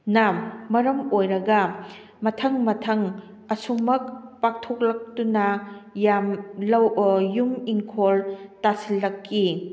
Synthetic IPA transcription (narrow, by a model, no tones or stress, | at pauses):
nɐmɐɾɐmojɾɐɡɐ | mɐtʰɐŋmɐtʰɐŋ | ɐsumɐk̚pak̚tʰok̚lɐk̚tunɐjamlɐwjumiŋkʰoltasilːɐkːi